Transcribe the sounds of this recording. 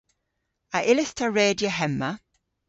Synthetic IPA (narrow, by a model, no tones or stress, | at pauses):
əʔɪlɪstʰəɹeːdjəɦɛmːə